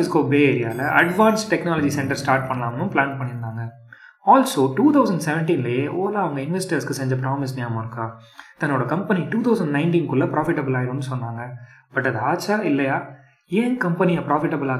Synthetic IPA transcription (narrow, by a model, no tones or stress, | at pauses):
ɪskoːbeːeːɾɪja̰ːɪlɐʔɐɖʋaːnsʈɛknaːlɐd͡ʒisɛɳʈɐɾsʈaːɾʈ̚pɐɳːɐlaːmɐnʊ̃plaːnpɐɳːɪɾɯnd̪aːŋɡɐ | aːlsoːʈuːt̪ʰɐʊsɐ̃ɳɖsɛʋɛɳʈiːnlejeːʔoːlaːɐʋɐŋɡɐɪnʋɛsʈɐɾskɯsɛɲd͡ʒɐpɾaːmɪs̬nɪjamãɪɾɯkːaː | t̪ɐnːoːɽɐkɐmpɐniʈuːt̪ʰɐʊsɐɳɖnɐɪnʈiːnkʊlːɐpɾaːfɪʈːɐbɐlaːɪɾɯ̃nːɯsɔnːaːŋɡɐ | b̥ɐʈːɐðɯaːt͡ʃːaːɪlːɐjaː | ẽːkɐmpɛnɪjaːpɾaːfɪʈːɐbɐlaː